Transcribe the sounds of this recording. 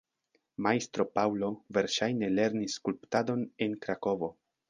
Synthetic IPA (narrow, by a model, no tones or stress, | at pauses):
majst̪ɾo̞pawlo̞ve̞ɾʃajne̞le̞ɾnisːkulptado̞ne̞nkɾako̞vo̞